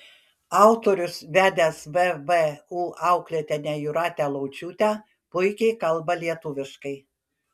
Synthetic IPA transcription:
ɑˑʊt̪oːɾʲʊsʋʲæːd̪ʲæsʋɛʋɛuːʔɑʊklʲeɛt̪ʲɛnʲæjʊɾɑːt̪ʲæːlˠɐʊt͡ʃʲuːt̪ʲæ | pʊɪkʲɛɪkɐlˠbɐlʲiɛt̪ʊʋʲɪʃkɐɪ

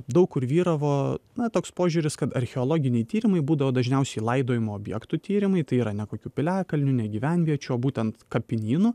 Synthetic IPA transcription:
d̪ɐʊkkʊɾʋʲiːɾɐʋoːnɐt̪oːkspoːʒʲuːɾʲɪskɐt̪ɐɾʲxʲɛoːlˠoːɡʲɪnʲɛɪt̪ʲiːɾʲɪmɐɪbuːd̪ɐʋoːd̪ɐʒʲnʲɛʊsʲɛɪlˠɐɪd̪oːjɪmoːbʲjɛ̰kt̪ut̪ʲiːɾʲɪmɐɪt̪ɐɪiːɾɐnʲɛkoːkʲuːpʲɪlʲæːkɐlʲnʲʊnʲɛɡʲiːʋʲɛnʲʋʲiɛt͡ʃʲuoːbuːt̪ʲɛnt̪kɐpʲɪnʲiːnʊ

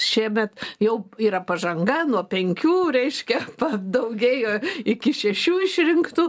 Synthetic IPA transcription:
ʃʲiɛmʲɛt̪jɛʊiːɾɐpɐʒɐŋɡɐnuɔpʲɛŋʲkʲuːɾʲɛɪʃʲkʲɛpɐd̪ɐʊɡʲeːjoːɪkʲɪʃʲɛʃʲuːɪʃʲɾʲɪŋkt̪uː

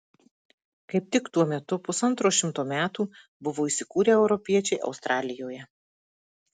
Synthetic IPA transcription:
kɐɪp̚t̪ʲɪkt̪uɔmʲɛt̪ʊpʊsɐnt̪ɾoːʃʲɪmt̪oːmʲæːt̪uː | bʊʋoːisʲɪkuːɾʲeːɛʊɾɔpʲiɛt͡ʃʲɛɪʔɐ̰ʊst̪ɾʔɑːlʲɪjoːjɛ

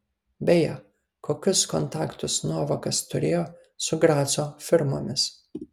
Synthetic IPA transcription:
bʲɛjɛ | koːkʲʊskɔnt̪ɑːkt̪ʊsnuɔʋɐkɐst̪ʊɾʲeːjoː | sʊɡɾɑːsoːfʲɪɾmo̰ːmʲɪs

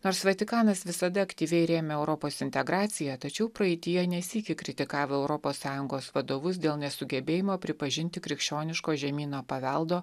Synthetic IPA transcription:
noːɾsʋɐt̪ʲɪkɑːnɐsʋʲɪsɐd̪ɐɐkt̪ʲiːʋʲɛɪɾʲeːmʲɛɛʊɾɔpoːsɪnʲt̪ʲɛɡɾɑːt̪sʲɪjɛt̪ɐt͡ʃʲɛʊpɾɐɛɪt̪ʲɪjɛnʲɛsʲiːkʲɪkɾʲɪt̪ʲɪkɑːʋoɛʊɾɔpoːsːɑːjʊŋɡoːsʋɐd̪oːʋʊs̬d̪ʲeːlˠnʲɛsʊɡʲɛbʲeːjɪmoːpʲɾʲɪpɐʒʲɪnʲt̪ʲɪkɾʲɪkʃʲt͡ʃʲoːnʲɪʃkoːʒʲɛmʲiːnoːpɐʋʲɛlˠd̪oː

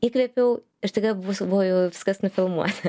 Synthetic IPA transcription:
iːkʋʲeɛpʲɛʊ | ɪɾt̪ɐɪɡɐbʊsbʊʋojɛʊʋʲɪskɐsnʊfʲɪlˠmṵɔt̪ɐ

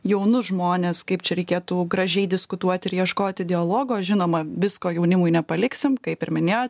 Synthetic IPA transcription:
jɛʊnʊʒmoːnʲeːskɐɪpt͡ʃʲɛɾʲɛɪkʲeːt̪uːɡɾɐʒʲɛɪd̪ʲɪskʊt̪uɔt̪ʲɪɾjiɛʃkoːt̪ʲɪd̪ʲɪɐlˠoːɡoːʒʲɪnoːmɐʋʲɪskoːjɛʊnʲɪmʊjnʲɛpɐlʲɪksʲɪmkɐɪpɪɾmʲɪnʲeːjot̪̚ʲ

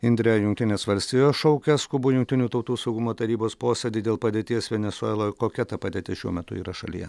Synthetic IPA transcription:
ɪnd̪ʲɾʲɛjʊŋk̚t̪ʲɪnʲeːsʋɐlʲsʲt̪ʲijoːsʃɔʊkʲɛskʊbʊjʊŋk̚t̪ʲɪnʲuːt̪ɐʊt̪uːsɐʊɡʊmoːt̪ɐɾʲiːboːspoːsʲed̪ʲiːd̪ʲeːlˠpɐd̪ʲeːt̪ʲiɛsʋʲɛnʲɛsʊɛːlˠoːkoːkʲɛt̪ɐpɐd̪ʲeːt̪ʲɪʃʲuɔmʲɛt̪ʊ̰iːɾɐʃɐ̰lʲḭjɛ

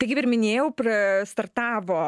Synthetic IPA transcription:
t̪ɐɪkʲɪpɪɾmʲɪnʲeːjɛʊpʲɾɪst̪ɐrt̪ɑːʋoː

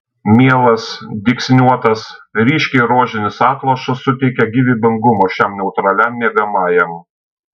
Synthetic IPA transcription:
mʲiɛlˠɐsd̪ʲɪksʲnʲuɔt̪ɐsɾʲiːʃʲkʲɛɪɾoːʒʲɪnʲɪsɑːt̪lˠɐʃɐsːʊt̪ʲɛɪkʲɛɡʲiʋʲibʲɪŋɡʊmoːʃʲɛmnʲɛʊt̪ɾɐlʲɛmːʲiɛɡɐmɑːjɛm

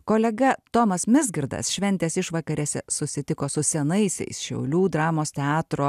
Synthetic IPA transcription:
koːlʲɛɡɐt̪oːmɐsmʲɪzɡʲɪɾd̪ɐ̰sʃʲʋʲɛnʲt̪ʲeːsɪʃʋɐkɐɾʲɛsʲɛ̰sʊsʲɪt̪ʲɪkoːsʊsʲɛnɐɪsʲɛ̰ɪsʃʲɛ̰ʊlʲuːd̪ɾɑːmoːst̪ʲɛɑːt̪ɾoː

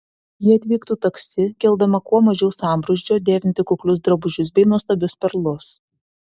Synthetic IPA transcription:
jɪɐt̪ʲʋʲiːkt̪uːt̪ɐksʲɪkʲɛlˠd̪ɐmɐkuɔmɐʒʲɛʊsɑˑmbɾʊʒʲd͡ʒʲoːd̪ʲeːʋʲɪnʲt̪ʲɪkʊklʲʊs̬d̪ɾɐbʊʒʲʊs̬bʲɛɪnuɔst̪ɐbʲʊspʲɛɾlˠʊs

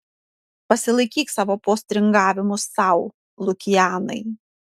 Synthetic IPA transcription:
pɐsʲɪlˠɐɪkʲiːksɑːʋoːpoːsʲt̪ʲɾʲɪŋɡɑːʋʲɪmʊsɑˑʊ | lˠʊkʲɪjæːnɐ̰ɪ

